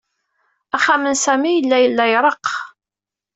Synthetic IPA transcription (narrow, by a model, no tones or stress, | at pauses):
æχamənsæmijəlːæjəlːæjɾˤəq